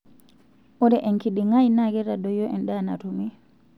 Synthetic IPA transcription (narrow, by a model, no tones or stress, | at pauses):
ʔɔdɛʔɛnkiɗiŋajnaɡɛɾadɔjɔʔɛnɗana̰tumi